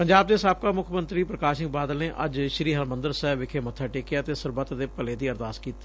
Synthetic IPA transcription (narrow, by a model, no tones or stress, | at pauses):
pəɲd͡ʒaːbd̪eːɪsaːb̚kaːmʊkʰmə̃nt̪ɾiːpɾəkaːʃɪk̚baːd̪əlneːʔɐ̰d͡ʒʃɾiːɦəlmə̃nd̪əɾsɛːbʋɪkʰeːmət̪ʰːaːʈeːkejaːt̪eːsəɾbət̪d̪eːpəleːd̪iːəɾd̪aːskiːt̪e̥